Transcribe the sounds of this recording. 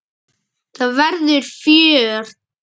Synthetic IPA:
θavɛɾðʏɾ̥fjœːr̥t

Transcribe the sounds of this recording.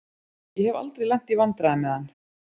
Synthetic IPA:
jɛhɛva̰lt̪ɾejlɛn̥t̪ivant̪ɾaɪmɛðanː

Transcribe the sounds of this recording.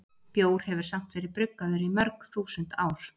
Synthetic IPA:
pjoːwɾ̥hɛvʏɾ̥sam̥t̪vɛːɾɪðpɾʏkːaðʏɾimœɾkθuːsʏnt̪aːwɾ̥

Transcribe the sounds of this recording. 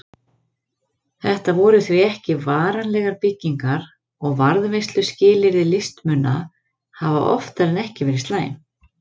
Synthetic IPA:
θɛht̪avɔːɾʏθviɛhcɪvaːɾanlɛɣaɾpɪcːiŋkaɾ̥ | ɔɣvaɾðvejst̪lʏscɪːlɪɾɪlɪst̪mʏnːa | hava̰ʔɔ̰ft̪aɾɛnɛhcɪvɛːɾɪst̪laːjɪ̰n

